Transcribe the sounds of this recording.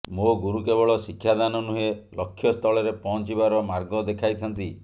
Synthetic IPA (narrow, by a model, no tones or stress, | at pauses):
moɡuɾukebɔɭɔsikʰːjad̪anɔnuɦelɔkʰːjɔst̪ʰɔɭɔɾepɔɦɔnt͡ʃibaɾɔmaɾɡɔd̪ekʰajt̪ʰɔnt̪i